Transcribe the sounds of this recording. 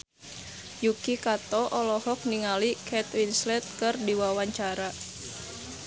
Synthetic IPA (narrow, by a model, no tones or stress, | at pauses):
jukikat̪ɔʔɔlɔhɔk̚niŋalikʰɛt̪winslɛt̪̚kɨrdiwawaɲt͡ʃaɾa